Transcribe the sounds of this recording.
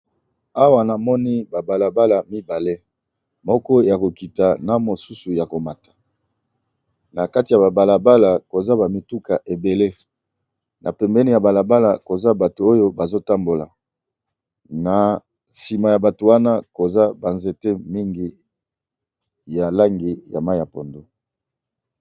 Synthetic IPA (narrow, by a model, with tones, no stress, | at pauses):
a˦wa˦na˨mɔ˦ni˦ba˨ba˨la˨ba˦la˨mi˦ba˨le˦ | mɔ˦kɔ˦ja˨ko˨ki˨ta˨na˨mo˨su˦su˨ja˨ko˨ma˨tḁ˨ | na˨ka˦ti˨ja˨ba˨ba˨la˨ba˦la˨ko˨za˦ba˨mi˨tu˦ka˨ʔe˨be˨le˦ | nʔa̰˨pɛ˨mbɛ˦ni˦ja˨ba˨la˨ba˦la˨ko˨za˦ba˨to˨o˦jo˦ba˨zo˦ta˦mbo˨la̰˨ | na˨ | si˨ma˨ja˨ba˨to˨wa˦na˦ko˨za˦ba˨nze˨te˦mi˦ŋɡi˦ | ja˨la˦ŋɡi˨ja̰˨ma˦ja˨po˨ndo˦